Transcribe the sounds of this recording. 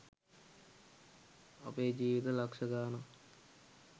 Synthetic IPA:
ɐ̰peːd͡ʑiːʋit̪ɐlɐkʂɐɡaːnɐ

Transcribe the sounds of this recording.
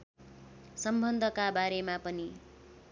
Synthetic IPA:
sʌmbʱʌnd̪ʱʌkabaɾemapʌni

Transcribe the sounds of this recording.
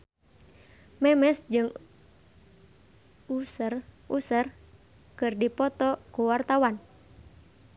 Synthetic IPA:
mɛmɛsd͡ʒɨŋ | usr | usər | kɨrdipɔt̪ɔkuwart̪awan

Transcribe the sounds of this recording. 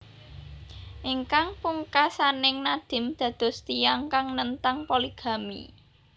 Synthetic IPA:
ʔiŋkaŋpuŋkasanɪŋnad̪̥ɪ̤md̪̥ä̤d̪̥ɔ̤st̪ijaŋkaŋnənt̪aŋpoliɡ̥ä̤mḭ

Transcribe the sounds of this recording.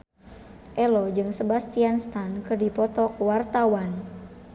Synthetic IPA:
ʔɛlɔd͡ʒɨŋsəbast̪ianst̪ankɨrdipɔt̪ɔkuwart̪awan

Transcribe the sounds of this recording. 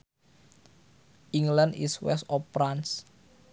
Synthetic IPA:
ʔiŋlandḭswɛ̰st̪ɔpːɾans

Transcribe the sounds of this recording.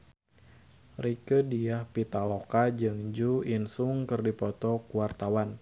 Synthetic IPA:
rikədiahpit̪alokad͡ʒɨŋd͡ʒuinsuŋkɨrdipɔt̪ɔkuwart̪awan

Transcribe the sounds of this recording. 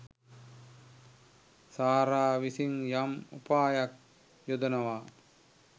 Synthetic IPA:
saːɾaːʋisiŋjamupaːjak̚ | jod̪ɐnɐʋa

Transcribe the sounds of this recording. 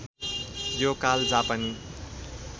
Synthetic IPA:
jokald͡zapani

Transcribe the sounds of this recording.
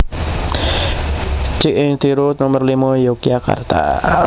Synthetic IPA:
t͡ʃiʔɪŋt̪iɾut̪nɔmərlimajokijaka̰rt̪a̰

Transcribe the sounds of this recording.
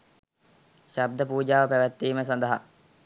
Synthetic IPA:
ʃab̚d̪əpuːd͡ʒaːʋəpæʋæt̪ːiːməsand̪əɦa

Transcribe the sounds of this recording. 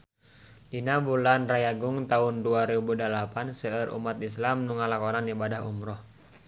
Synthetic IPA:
dinabulanrajaɡʊŋt̪aunduaɾebudalapansəəɾṵmat̪islamnuŋalakɔnanibadaɦṵmɾɔh

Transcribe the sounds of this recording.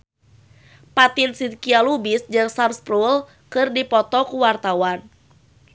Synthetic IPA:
pat̪insid̪kialubisd͡ʒɨŋsamspɾul | kɨrdipɔt̪ɔkuwart̪awan

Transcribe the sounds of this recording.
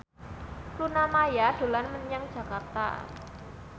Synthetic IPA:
lunamajad̥o̤lanməɲaŋd̥ʒ̥ä̤kart̪a̰

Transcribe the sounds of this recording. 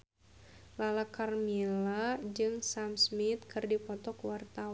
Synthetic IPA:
lalakarmilad͡ʒɨŋsamsmit̪̚kɨrdipɔt̪ɔkwart̪a

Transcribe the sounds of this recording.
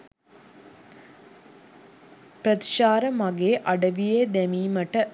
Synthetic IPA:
pɾɐt̪ɪ̥ʃaːɾɐmɐɣeːʔɐɽɐʋijed̪ɛmimɐʈːɐ

